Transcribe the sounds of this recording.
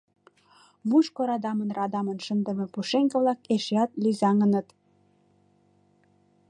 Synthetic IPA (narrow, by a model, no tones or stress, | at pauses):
muʃkoɾɑd̪ɑmənrɑd̪ɑmənʃənd̪ə̆mĕpuʃeŋkə̆βlɑkeʃeɑt̪lyzɑŋənə̆t̪